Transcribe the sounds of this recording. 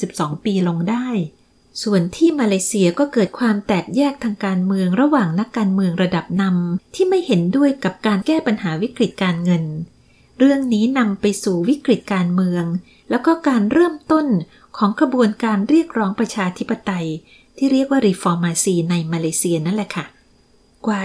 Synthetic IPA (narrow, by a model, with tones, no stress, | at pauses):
si˨˩p̚sɔː˩˦ŋpiː˧lo˧ŋdaː˥˩j | su˨˩ənt̪ʰiː˥˩maː˧leː˧si˧ɐkɔː˥˩kɤː˨˩t̪̚kʰwaː˧mt̪ɛː˨˩k̚jɛː˥˩k̚t̪ʰaː˧ŋkaː˧nmɯ˧əŋɾa˧˥waː˨˩ŋna˦˥kːaː˧nmɯ˧əŋɾa˧da˨˩p̚na˧mt̪ʰiː˥˩ma˥˩jhe˩˦ndu˥˩əjka˨˩p̚kaː˧nkɛː˥˩pa˧nhaː˩˦wi˦˥kɾi˨˩t̪̚kaː˧nŋɤ˧n | ɾɯ˥˩əŋniː˦˥na˧mpa˧jsuː˨˩wi˦˥kɾi˨˩t̪̚kaː˧nmɯ˧əŋ | lɛː˦˥wkɔː˥˩kaː˧nɾɤː˥˩mt̪o˥˩n | kʰɔː˩˦ŋkʰa˧bu˧ənkaː˧nɾi˥˩ək̚ɾɔː˦˥ŋpɾa˧t͡ɕʰaː˧t̪ʰi˦˥pːa˧t̪a˧j | t̪ʰiː˥˩ɾi˥˩ək̚waː˥˩ɾi˦˥fɔː˧maː˧siː˧na˧jmaː˧leː˧si˧ɐna˦˥nlɛ˨˩kʰa˥˩ | kwaː˨˩